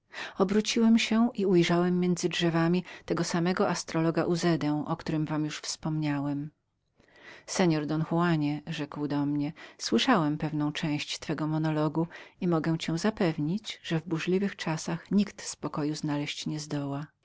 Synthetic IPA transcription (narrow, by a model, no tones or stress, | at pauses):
ɔbɾut͡ɕiwɛmɕɛʔiujʐawɛmːjɛnd̪zɘdʐɛvamʲit̪ɛɡɔsamɛɡɔʔast̪ɾɔlɔɡa̰ʔuzɛd̪ɛ̃ʔɔkt̪uɾɘmvamjuʂfspɔmɲawɛm | sɛɲɔɾd̪ɔnxuwaɲɛʐɛkwd̪ɔmɲɛswɘʂawɛmpɛvnɔ̃w̃t͡ʂɛ̃w̃ɕt͡ɕt̪fɛɡɔmɔnɔlɔɡuimɔɡɛ̃t͡ɕɛw̃zapɛvɲit͡ɕʐ̥ɛvbuʐlʲivɘxt͡ʂasaxɲikt̪spɔkɔjuznalɛɕt͡ɕɲɛzd̪ɔwa